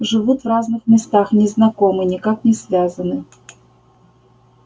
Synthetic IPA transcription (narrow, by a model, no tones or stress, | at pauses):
ʐɨvut̪vraznɨxmʲɪst̪axnʲɪznɐkomɨnʲɪkaknʲɪsvʲazənɨ